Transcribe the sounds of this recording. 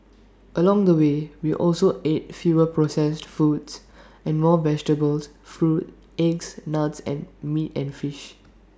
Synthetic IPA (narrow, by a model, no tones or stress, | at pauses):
ʔəlɔ̃ŋdəwewiʔɔlsoet̚fjuɹəpɹosɛstfɹuts | ʔɛ̃nmɔːvɛd͡ʒtəbəls | fɹut̚ | ɛɡsnatsɛ̰̃nmitɛ̃nfiʃ